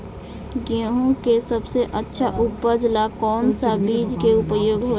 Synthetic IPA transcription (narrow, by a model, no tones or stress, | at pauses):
ɡeɦõkesɐbseʔətːʃʰaʔʊbːəd͡ʒlakɔːnsabiːd͡ʒkeʊpəjoːɡɦoː